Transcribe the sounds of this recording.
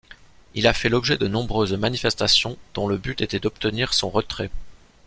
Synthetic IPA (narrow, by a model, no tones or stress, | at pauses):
ilafɛlɔbʒɛd̪ənɔ̃bʁøzmanifɛst̪asjɔ̃d̪̥ɔ̃ləbyt̪et̪ɛd̪ɔp̚t̪əniʁsɔ̃ʁət̪χɛ